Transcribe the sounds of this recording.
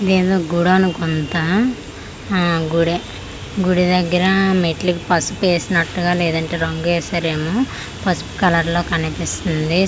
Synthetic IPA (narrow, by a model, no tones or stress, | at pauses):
ɐd̪e̞ːd̪oːɡuɽanukont̪ɐ | ɡuɽi | ɡuɽid̪ɐɡːɐɾɐmeʈlikipɐsupe̞ːsinɐʈːuɡaːlɛːd̪ɐɳʈe̞ːɾɐŋɡuɛːsɐɾeːmoː | pɐspkɐlɐɾlo̞ːkɐnipist̪und̪i